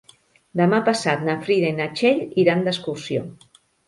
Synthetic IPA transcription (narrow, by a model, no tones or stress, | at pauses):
d̪əmapasat̪nafɾiðainat͡ʃeʎiɾand̪əskuɾsjo